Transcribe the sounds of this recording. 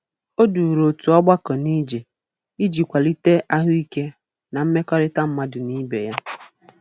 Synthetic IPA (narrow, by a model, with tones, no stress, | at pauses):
o˦du˨ɾo˨tu˨ɔ˦ɡ͡ba˦kɔ˨ni˦d͡ʒe˨ | i˦d͡ʒi˨kʷa˨li˦te˦ʔa˦ɦʊ˦i˦ke˦ | na˨m̩˦me˦kɔ˦ɾɪ˦ta˦m̩˦ma˦dʊ˨ni˦bḛ˨ja˦